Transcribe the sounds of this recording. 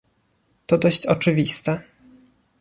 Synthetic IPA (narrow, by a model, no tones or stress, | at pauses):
t̪ɔd̪ɔɕt͡ɕɔt͡ʂɘvʲist̪ɛ